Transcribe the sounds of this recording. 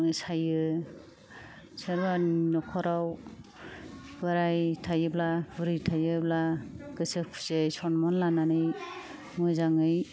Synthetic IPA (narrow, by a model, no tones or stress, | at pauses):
ŋɯsajɯ | sɯɾbannɔkʰɔɾaw | bɯɾajtʰajɯblabɯɾijtʰajɯblaɡ̥ɯsɯkʰu̥sesɔnmɔnlananɯj | mɯzaŋɯj